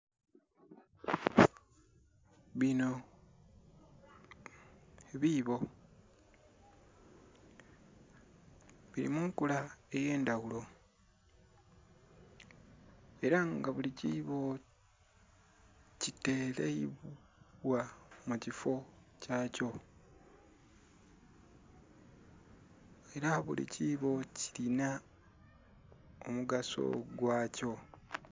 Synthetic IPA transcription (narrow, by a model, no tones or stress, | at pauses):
βino̞ | eβiβo̞ | βiɾḭmuŋkulae̞je̞ːndaɣulo̞ | e̞ɾaŋɡaβuliciβo̞ | cite̞ːleiβ | wamucifo̞caːco̞ | e̞ɾaβṵlḭciβo̞ci̥lina | omuɡaso̰ɡwaːco̞